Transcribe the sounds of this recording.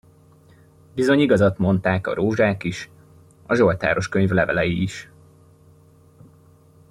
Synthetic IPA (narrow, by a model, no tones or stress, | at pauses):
bizo̞ɲiɡɒzɒt̪mo̞nt̪aːkɒ̰ɾoːʒaːkiʃ | ɒʒo̞lt̪a̰ːɾo̞ʃkøɲvlɛvɛlɛjiːʃ